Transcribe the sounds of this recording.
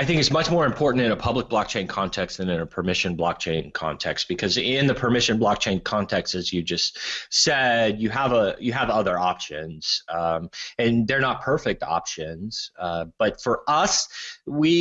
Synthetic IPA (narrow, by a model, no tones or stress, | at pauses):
aɪθɪ̃ŋkɨtsmʌt͡ʃmɔɹɨ̃mpʰɔɹʔn̩tɨ̃nəpʰʌblək̚b̥lɑk̚t͡ʃʰẽɪ̃nkʰɑ̃ntʰɛkst̚ðɨ̃nɨ̃nɨpʰə˞mɪʃɨ̃nblɑk̚t͡ʃʰẽɪ̃nkʰɑ̰̃ntʰɛkstb̥ɨkʰʌzɪ̃nðɨpʰə˞mɪʃɨ̃nblɑk̚t͡ʃʰẽɪ̃nkʰɑ̃ntʰɛkstɨzjɨd͡ʒʌstsɛd̚jɨəvəjɨːvʌðə˞ɑpʃɨ̃nz̥ | ɨ̃nðə˞nət̚pʰɜ˞fɪk̚tʰɑ̰pʃɨ̃nz̥b̥ʌtfə˞ʔʌswi